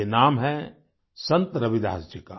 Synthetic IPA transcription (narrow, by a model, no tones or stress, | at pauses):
enaːmɦɛ̃ | sɐ̃nt̪ɾɐbɪd̪a̰ːsd͡ʒəkaː